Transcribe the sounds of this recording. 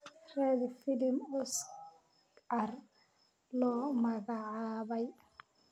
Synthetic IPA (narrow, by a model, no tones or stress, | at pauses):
ɾɛbifilimɔs | aɾ | lɔmaɡaʕabaj